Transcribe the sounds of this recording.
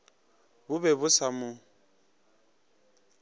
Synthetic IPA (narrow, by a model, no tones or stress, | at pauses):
bʊbɛbʊsamʊ